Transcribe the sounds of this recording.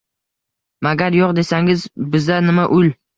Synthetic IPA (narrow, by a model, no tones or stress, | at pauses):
maɡʲaɾjoqd̪e̞saŋɪzbɪzanɪmaʔʊl